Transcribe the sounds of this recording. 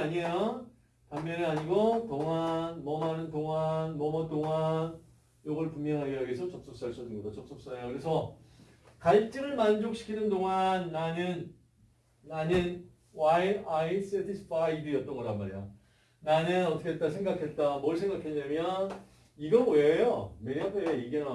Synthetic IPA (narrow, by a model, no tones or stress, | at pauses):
aɲiejo | tammjʌniaɲiɡotoŋanmʌmɦanɯntoŋanmʌmʌtoŋan | joɡʌɭpummjʌŋɦaɡejʌɡesʰʌt͡ɕʌp̚s͈ʌp̚s͈aɭs͈ʌd͡ʑiŋɡʌdot͡ɕʌp̚s͈ʌp̚s͈ʌnejokɯɾe̞sʰʌ | kaɭt͡ɕ͈iŋɯɭmand͡ʑok̚ɕ͈ʰi̥kʰinɯndoŋanːaɲɯnː | aɲɯn | waiais͈etʰisʰɯ̥pʰaidɯijʌt͈ʌnɡʌɾanmaɾijo̰ | naɲɯnʌt͈ʰʌkʰet͈asʰeŋɡakʰe̞t̚t͈amʌɯɭsʰe̞ŋɡakʰeɲːamjʌn | iɡʌnwejomeabeiɡenɯa